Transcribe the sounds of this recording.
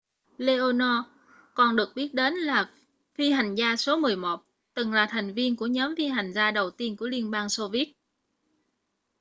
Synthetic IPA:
le˧ʔo˧nɔ˧ | kɔ˨˩nɗɨ˨˩ək̚ɓi˦˥ət̚ɗe˨˦nlaː˨˩ | fi˧ɦa˨˩jŋ̟zaː˧so˨˦mɨ˨˩əjmo˨˩t̚ | t̪ɨ˨˩ŋlaː˨˩t̪ʰa˨˩jŋ̟vi˧ənku˧˩əɲɔ˨˦mfi˧ɦa˨˩jŋ̟zaː˧ɗə˨˩wt̪i˧ənku˧˩əli˧ənɓaː˧ŋso˧vi˦˥t̚

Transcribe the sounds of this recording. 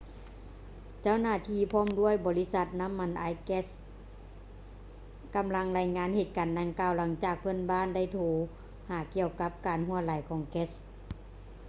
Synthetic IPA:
t͡ɕa˥˨wnaː˧˥˩t̪ʰiː˧˩pʰɔː˥˨mdu˥˩əjbɔː˨˦li˦˥sa˧˦t̪̚na˧˥˨mːa˧˨nʔa˧˩jkɛ˦˥s | ka˨mla˧˥ŋla˧jŋaː˧˥nhe˧˩t̪̚ka˨nda˧ŋkaː˧˨wla˨˦ŋt͡ɕaː˨˩k̚pʰɤ˧˥˨nbaː˥˨nda˥˩jt̪ʰuː˧˩ | haː˨˩ki˧əwka˧˥p̚kaː˨nɦu˧˥˩ɐlaː˨˦jkʰɔː˨˩˦ŋkɛ˦˥s

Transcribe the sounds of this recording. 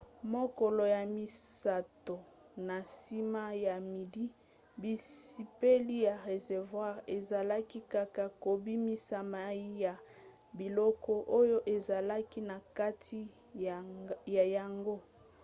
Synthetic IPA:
mo˦ko˨lo˨ja˨mi˨sa˨to˨ | na˨si˦ma˦ja˨mi˨di˦ | bi˨si˨pe˦li˦ja˨ʁe˨zɛ˨vwa˦ʁe˨za˨la˦ki˦ka˨ka˨ko˨bi˦mi˦sa˨ma˨i˦ja˨ | bi˨lɔ˦kɔ˦ʔo˦jo˦ʔe˨za˨la˦ki˦na˨ka˦tʰi˦ | ja˨ja˨ŋɡo˦

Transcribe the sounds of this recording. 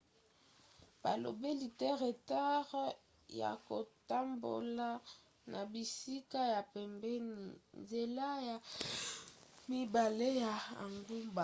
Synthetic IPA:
ba˨lo̰˨be˦li˨tɛ˦ʁe˨ta˦ʁ | ja̰˨ko̰˨ta˦mbo̰˨la˦ | na˨bi˨si˦ka˦ja˨pɛ˨mbɛ˦nḭ˨nze˨la˦ja˨ | mi˦ba˨le˦ja˨a̰˨ŋɡu˦mba˨

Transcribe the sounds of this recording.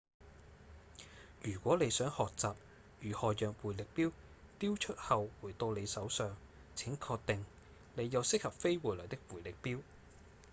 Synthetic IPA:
jyː˨˩kʷwʷɔː˨˥le˨˧jsœː˨˥ŋhɔː˨k̚t͡saː˨p̚ | jyː˨˩hɔː˨jjœː˨ŋwuː˨˩jlɪ˨k̚piː˥w | t̪iː˥wt͡ʃʰɵ˥t̚hɐ˨wwuː˨˩jt̪o˧wle˨˧jsɐ˨˥wsœː˨ŋ | t͡sʰɪ˨˥ŋkʰɔː˧k̚t̪ɪ˨ŋ | le˨˧jɐ˨˧wsɪ˥k̚hɐ˨pfe˥jwuː˨˩jlɔː˨˩t̪ɪ˥k̚wuː˨˩jlɪ˨k̚piː˥w

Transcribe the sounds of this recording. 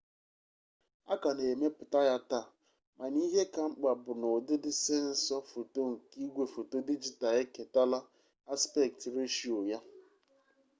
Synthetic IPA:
a˦ka˨ne˨me˦pʊ˨ta˦ja˦ta˦˨ | mʔa˨ni˦ɦe˦ka˨ŋ͡m̩˦k͡pa˨bʊ˨nʊ˨dɪ˦dɪ˦sɪ˦n̩˨sɔ˦fo˨to˦ŋ̩˨ki˦ɡʷe˨fo˨to˦di˦d͡ʒi˨ta˨le˦ke˨ta˦la˦ | a˦spɛ˦k̚tɾe˦ʃi˨o˨ja˦

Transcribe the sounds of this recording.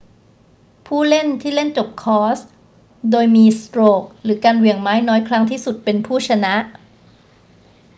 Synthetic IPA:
pʰuː˥˩le˥˩nt̪ʰiː˥˩le˥˩nt͡ɕo˨˩p̚kʰɔː˦˥s | doː˧jmiː˧st̪ɾoː˨˩k̚ɾɯː˩˦kaː˧nwi˨˩əŋmaː˦˥jnɔː˦˥jkʰɾa˦˥ŋt̪ʰiː˥˩su˨˩t̪̚pe˧npʰuː˥˩t͡ɕʰa˧na˦˥ʔ

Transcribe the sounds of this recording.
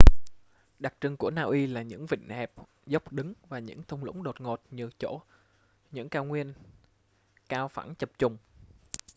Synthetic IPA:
ɗa˨˩k̚t͡ɕɨ˨˧˩ŋku˧˩ənaː˧wʔi˧laː˨˩ɲɨ̰˧˥ŋvḭ˧˨ŋ̟hɛ˨˩p̚ | zə˦˥k͡p̚ɗɨ˨˦ŋvaː˨˩ɲɨ̰˧˥ŋt̪ʰə˧wŋ͡mlṵ˧˥ŋ͡mɗo˨˩t̚ŋo˨˩t̚ɲɨ˨˩t͡ɕo̰˧˥ | ɲɨ̰˧˥ŋkaː˧wŋwi˧ən | kaː˧wfa˧˩˦nt͡ɕə˨˩p̚t͡ɕʊ˨˩ŋ͡m

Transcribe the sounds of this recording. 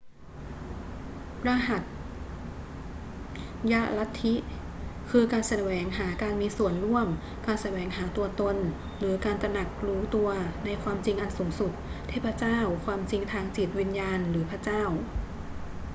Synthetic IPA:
pɾaː˧ɦa˨˩t̪̚ | ja˦˥la˦˥t̪ʰːi˦˥ʔ | kʰɯː˧kaː˧nsa˧˥wɛː˩˦ŋɦaː˩˦kaː˧nmiː˧su˨˩ənɾu˥˩əm | kaː˧nsa˧wɛː˩˦ŋɦaː˩˦t̪u˧ɐt̪o˧n | lɯː˩˦kaː˧nt̪ɾa˧na˨˩k̚ɾuː˦˥t̪u˧ɐna˧jkʰwaː˧mt͡ɕi˧ŋʔa˧nsuː˩˦ŋsu˨˩t̪̚ʰː | iː˥˩pʰa˧˥t͡ɕaː˥˩wkʰwaː˧mt͡ɕi˧ŋt̪ʰaː˧ŋt͡ɕiː˨˩t̪̚wi˧njaː˧nlɯː˩˦pʰɾa˦˥t͡ɕaː˥˩w

